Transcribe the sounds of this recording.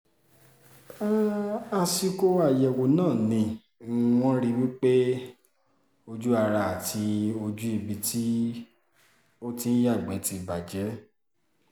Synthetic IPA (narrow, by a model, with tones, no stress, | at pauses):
a˧si˧ko˧a˨jɛ˨wo˨nãː˦˨nĩ˧˦ | w̃ɔ̃˦ɾi˦wi˦k͡pe˦ | o˧d͡ʒu˦a˧ɾa˧a˨ti˧o˧d͡ʒu˦i˦˧˨bi˧tʰi˦ | o˦tĩ˧n̩˦ja˦˨ɡ͡bɛ˨˦ti˨˧˨ba˨d͡ʒɛ˨˦